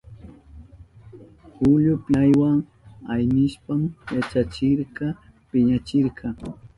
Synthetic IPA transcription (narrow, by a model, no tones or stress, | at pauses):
hʊʎʊpajwaŋ | ajnɪʃpamjat͡ʃat͡ʃɪɾɢɑ | pɪɲat͡ʃɪɾɢɑ